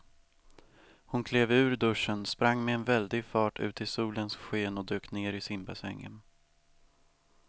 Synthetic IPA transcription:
hʊnkʰleːvʉ̟ːɾd̪ɵʂːənspɾaŋːmɛːnvɛld̪ɪɡfɑːʈʰʉ̟̰ːt̪ʰɪsuːlənsɧeːnɔd̪øːkneːɾɪsɪmbasɛŋːə̰n

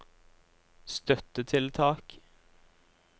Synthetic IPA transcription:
st̪œt̪ət̪ʰɪlt̪ʰɑːk

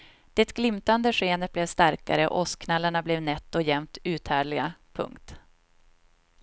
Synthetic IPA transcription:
d̪̥ɛt̪ɡ̥lɪmt̪and̪əɧeːnət̪̚blɛvst̪aɾka̰ɾəɔ̰ʔɔskʰnalːaɳablɛvnɛt̪ːɔjɛmt̪ʉ̟ːt̪ʰhæːɭɪɡapʰɵ̰ŋkt̪

